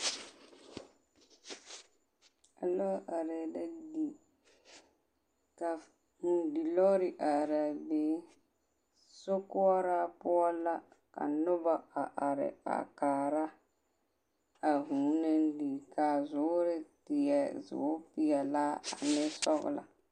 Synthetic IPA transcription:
a˨lɔ˦ʔa˨ɾɛ˨da˦di˨ | ka˨ | hu˨di˨lɔ˦ɾɪ˨ʔa˨ɾa˨beː˨˦ | sʊ˦kʊ˦ɔ˦ɾa˦pʊ˦ɔ˦la˦ka̰˨nʊ˦ba˦˨a˨ʔa˨ɾɪ̰˨a̰˨kaː˨ɾa˦ | a˨ɦuː˨˦na˦n˦di˨ka˨zʊ˨˦ɾɪ˦tɪ˨jɛ˨zʊ̰ː˨˦pɪ˦ɛ˨laː˦a̰˨nɪ˦sɔ˦ɣʊ̰˨la̰˨

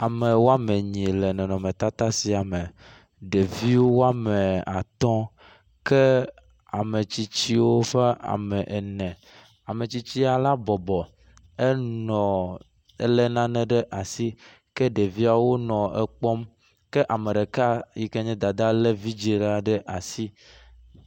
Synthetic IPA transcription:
a˨me˨wo˦a˦me˨ɲĩ˨lɛ˨nɛ̃˨nɔ̃˨mɛ̃˨t̪a˦t̪a˦si˨a˨me˨ | ɖe˨vi˦wo˦wo˦a˦me˨a̰˨t̪ɔ̃˦ | kɛ˦ | a˨me˨t͡ɕi˦t͡ɕi˦wo˦fe˦a̰˨mɛ˨ʔɛ˨nɛ̃˨ | a˨me˨t͡ɕi˦t͡ɕi˦a˨la˦bɔ˨bɔ˨ | e˦nɔ̃˨ | ḛ˦lɛ˦nã˦nɛ̃˨ɖɛ˦ʔa˨si˦ | kɛ˦ɖe˨vi˦a˨wo˦nɔ̃˨ɛ˦k͡pɔ˦m | ke˦ʔa˨mẽ˨ɖe˨ka˦ji˦ke˦ɲɛ̃˦d̪a˨d̪a˦lɛ˦vi˦d͡ʒi˨ɖa˦ɖe˦ʔa˨si˦

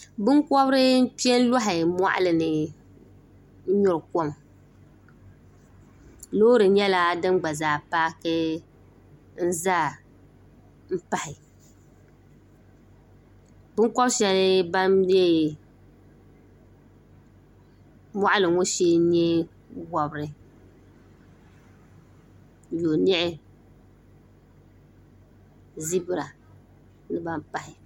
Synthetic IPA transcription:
bɨ˦ŋkɔ˦bɾɨ˦m̩˦pi˦ɛ˦n˦lɔ˦ɦɪ˨mwa̰˦ʔa̰˦lɨ˨nɨ˨˦ | ɲʊ˦ɾɨ˨ko˦m | lo˦ɾɨ˨ɲɛ˦la˦dɨ˦mɡ͡ba˨zaː˨paː˦kɨ˦ | n̩˦zaː˦ | m̩˦pa˨hɪ˨ | bʊ˦kɔ˦bʃɛ˦lɪ˦ba˦mde˦ | ma˦ʔa˦lɨ˨ŋo˦ʃeː˦ɲɛ˦ | wɔ˨bɨ˦ɾɨ˨ | jo˨n˦ɛ˦ʔɪ˦ | zi˦bɨ˨ɾa˨ | nɨ˦ba˦m̩˦pa˨hɪ˨

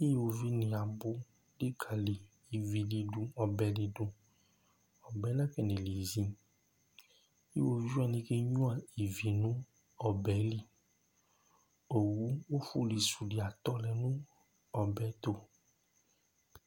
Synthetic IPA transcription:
e˦˨wo˧vi˦nĩ˨a˨bo˦ | ɖe˦ɡʰa˨li˨ | i˨vi˨li˧ɖu˧ɔ˨bɛ˨li˧du˧ | ɔ˨bɛ˨˦lã˦kɛ˨nẽ˨li˨zĩ˦ | wo˦vi˦d͡ʒa˨nĩ˦ke˦ɲũ˦a˨i˨vi˨nũ˦ | ɔ˨bɛ˨˦li˦ | o˨wu˨˦wo˦fu˦li˨su˨ɖi˨a˨t̪ɔ˦lɛ˨nũ˦ | ɔ˨bɛ˨˦t̪o˦

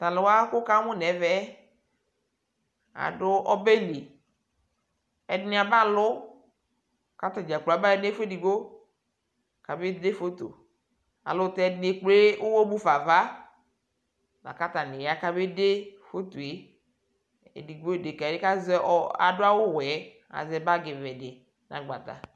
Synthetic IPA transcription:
t̪a˨lɪ˨wa˦kʊ˦ka˦mʊ˦nɛ˨vɛ˦ | a̰˨dʊ˦ʔɔ˦be˦li˨ | ɛ˨dnɪ˦a˨ba˦lʊ˦ | ka˦t̪a˨d͡ʒa˨k͡pla˨ba˦ɛ˦n˦e˦fe˦di˨ɡ͡bo˦˨ | ka˨be˦de˦fo˦t̪o̰˨ | a̰˨lʊ˦t̪ɛ˦dn˦e˦k͡ple˦ʊ˦wo˦bu˦fa˨va˦ | la̰˨ka˦t̪a˨nɪ˨ja˦ka˦be˦de˦fo˦t̪o˨e˦ | ḛ˨di˨ɡ͡bo˦˨de˨ka˨dɪ˦ka˦zɛ˦a̰˨dʊ˦a˦wʊ˦wɛ˦ | a̰˨zɛ˦ba˦ɡɪ˨vɛ˨dɪ˨ | na̰˨ɡ͡ba̰˨t̪a̰˨

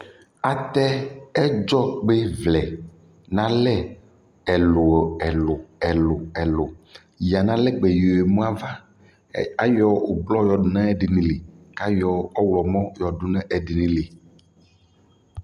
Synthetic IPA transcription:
a˨t̪ɛ˦ɛ˦d͡ʒɔ˦ɡ͡be˦vlɛ˨ | nã˦lɛ˦ | ɛ˨lo˨ɛ˨lo˨ɛ˨lo˨ɛ˨lo˨ | ji˨a˨nã˦lɛ˦ɡ͡bɛ˨jo˨e˨mũ˦a˦va˦ | a˨jɔ˦o˨blɔ˦jɔ˨du˨nɛ̃˦ɛ˦˨ɖi˨nĩ˨le˨ka˦jɔ˨ɔ˦wlɔ˨mɔ̃˦jɔ˨du˦nɛ̃˦ʔɛ˨ɖi˨nĩ˨le˨

